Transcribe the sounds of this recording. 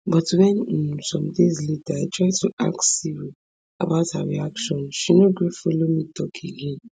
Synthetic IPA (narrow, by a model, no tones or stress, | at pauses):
bɔtwɛ̃n̩sɔ̃mdezletaatʰɹaɪtʰuʔa̰ksiwo | a̰baʊta̰ɹḭakʃɔ̃nʃinoɡɹifolomitʰɔkʰeɡẽn